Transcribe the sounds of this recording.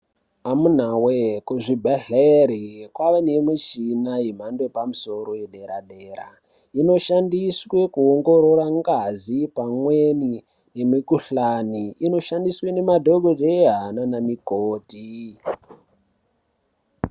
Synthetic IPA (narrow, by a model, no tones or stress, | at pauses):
amun̤awekuʐibʱeɮeɾikwaʋanemut͡ʃinaim̤andoepamuso̞ɾo̞jeɗeɾa̰ɗeːɾa̰ | ino̞ʃandiswe̞kuoŋɡoɾo̞ɾaŋɡazipamweni | nemikuɬaniino̞ʃandiswene̞madʱoɡʱodeɦananamikoːti